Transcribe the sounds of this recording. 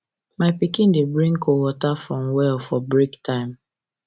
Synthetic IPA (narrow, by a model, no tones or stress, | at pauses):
maɪpikɪ̃ndebɾĩŋ̩kowɔtafɾɔmwɛlfɔbɾiktaɪ̃m